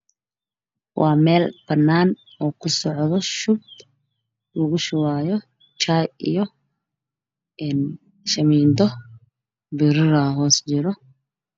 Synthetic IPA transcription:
wʔɑːmɛːlb̥ɐnːaːn | ɔːkʰʊsɔʕðɔʃʊb̚d̪ | lɔɣʊʃʊwaːjɔ | t͡ʃajḭjɔ | ʔɛːn | ʃɐmiːnd̪ɔ | bɪɾɪɾɐɦɔːst͡ʃɪɾɔ

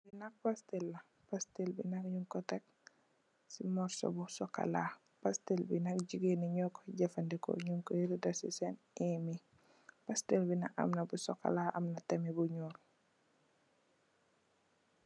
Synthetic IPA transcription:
binɐk̚pastɛlːɐ | pastelbinɐkɲuŋkɔtɛk̚ | simɔɾsɔ̰busɔkːa̰la | pastilbinɐk̚ɟiɡeniɲɔkːɔ̥ɟɛfɐndɛkɔ̰ɲuŋkɔiɾudɐsisɛn | ɛmi | pastelbinɐkɐ̰mnɐbusɔkːa̰laʔɐ̰mnɐtɛmibuɲuːl

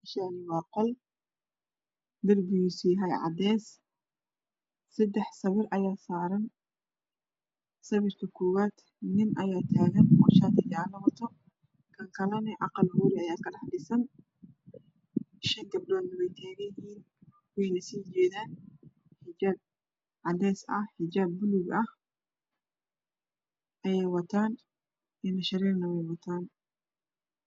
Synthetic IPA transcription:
bɪʃaːnɪwɑːqɔl | d̪ɐrɡijsiːɦɐjʕɑ̰d̪ɛːs | sɐd̪ɛħsɐβɪrʔɐjaːsaːɾɐn | sɐβɪrk̪ʰɐkʰɔːwaːd̪̥ | nɪnʔɐjaːt̪ʰaːɣɐnmɑʃaːt̪ʰɪd͡ʒaːlɐwɐt̪ʰɔ | kʰɐŋkʰɐlɐnɪʕɑ̰qɑlhʊɾɪɐjaːkʰɐdɐħɖɪsɐn | ʃɐŋɡɐb̚dɔːd̪nɐwɛjt̪ʰaːɣɐjɪhiːn | wɛjnɐsiːd͡ʒɛːðaːn | ħɪd͡ʒaːb̚ | ʕɑd̪ɛːsɐ̰hħɪd͡ʒaːb̚ːʊlʊɡɐh | ʔɐjɛjwɐt̪ʰaːn | ɛnɐʃɐɾɛːrnɐwɛjwɐt̪ʰaːn

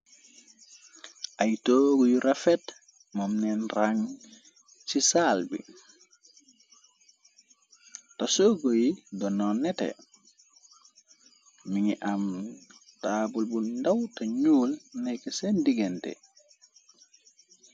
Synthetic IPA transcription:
ʔajtoːɡɔjuɾafɛt | mamnɛnraŋ | t͡ʃisalbḭ | tasoɡɔjidɔnɔnːɛtɛ̰ | miŋiʔamtaːbulbundawtaɲuːlnɛkɛsɛndiɡɛntɛ̰

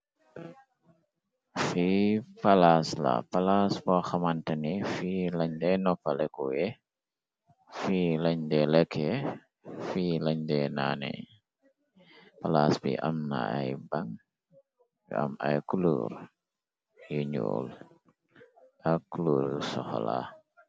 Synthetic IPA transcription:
fipalasla̰palasbɔxamantənifilaɲdɛnɔpːalɛkujɛ | filaɲdɛlɛkʰɛ | filaɲdɛnanɛ̰ | palasbḭʔamna̰ajbaŋ | jṵa̰majkulṵːɾ | juɲo̰ːl | ʔakuluːɾsɔxɔ̰la̰

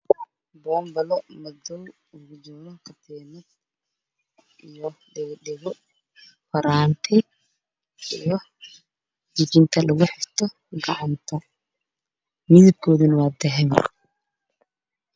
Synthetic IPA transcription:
bɔːmbɐlɔmɐd̪ɔw | ʊɣʊd͡ʒɔlɔkʰɐt̪ʰɛːmɪd̪ | ʔijɔɖɛɣɗɛɣɔ | fɐɾaːnt̪ʰɪ | ijɔ | d͡ʒɪd͡ʒɪnt̪ʰɐlɐɣʊħɪft̪ʰɔ | ɡɐʕant̪ʰɐ | mɪðɪb̚kʰɔːðɪnwaːd̪ɛɦɛn

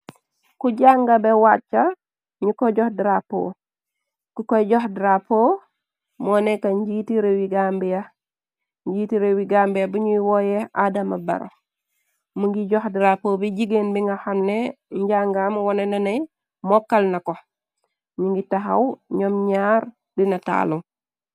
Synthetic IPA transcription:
kuɟaŋɡabewat͡ʃːa | ɲukoɟɔhdiɾapo̰ː | kukojɟɔhdiɾapo | mɔːnekaɲɟiːtiɾewiɡambija | ɲɟitiɾewiɡambijabuɲuwojeadamabɐ̰ɾa̰f | muŋɡiɟɔxdiɾapoːbiɟiɡenbiŋɡahamneɲɟaŋɡaːmwɔnɛnɐnej | mɔkːalnɐko | ɲuŋɡitaɦa̰wɲɔmɲaɾ | dinɐta̰ːluŋ

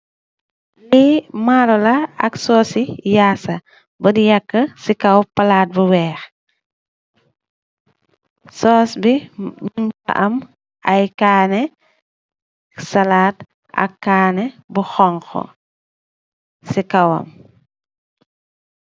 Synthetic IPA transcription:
limalɔlɐɐ̰ksɔːsijaːsɐ | bɐdijɐkːəsikɐwpɐlaːt̚buwɛːx | sɔːsbiɲuŋtɐ̰ʔɐm | ɐjkaːnɛ | ksɐlaːt | ɐ̰kːaːnɛbuxɔŋxɔ̰ | sikɐwɐ̰m

